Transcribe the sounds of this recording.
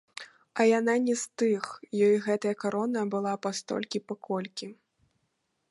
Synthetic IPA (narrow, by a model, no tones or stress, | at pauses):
ɐjananʲɛst̪ɨxjɔjɣɛt̪ɐjɐkaɾɔnɐbɨlˠapast̪ɔ̰lʲkʲipɐkʰɔlʲkʲi